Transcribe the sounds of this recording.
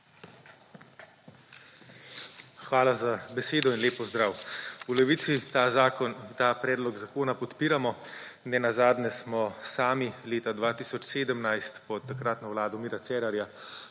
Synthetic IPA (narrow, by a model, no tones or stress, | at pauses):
xʋaːlazabɛseːd̪ɔinleːpɔzd̪ɾaːwulɛʋiːt̪si | t̪apɾɛːd̪lɔɡzakoːnapɔt̪piːɾamɔnɛnazaːd̪nɛsmɔsaːmileːt̪ad̪ʋaːt̪isɔt͡ʃseːd̪əmnajst̪pɔt̪ːakɾat̪nɔwlaːd̪ɔmiːɾat̪sɛːɾaɾja